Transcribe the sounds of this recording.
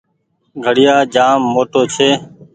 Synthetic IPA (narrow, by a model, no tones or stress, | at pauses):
ɡʱəɽɪjaːd͡ʒaːmːoːʈoːt͡ʃʰeː